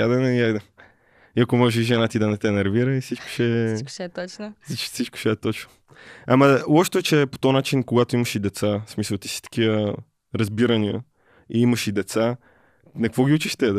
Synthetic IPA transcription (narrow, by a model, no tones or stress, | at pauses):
jad̪ɛnɛjajd̪ɛ | iɐkomɔʒɛʒɛnat̪id̪ɐnɛt̪ɛnɛɾviɾəifsit͡ʃko̥ʃɛ̥ʃɛt͡ʃnisit͡ʃko̥ʃɛɛt̪ɔt͡ʃno̥ | ɐmɐɔʃt̪ɛɛt͡ʃɛpo̥t̪onat͡ʃinkoɡat̪oiməʃid̪ɛt̪sasmisəlˠt̪i̥si̥t̪ə̥kiə | ɾɐzbiɾəniə̰ | iiməʃid̪ɛt̪sa | nɐkvɔɡʲiut͡ʃiʃt̪ɛd̪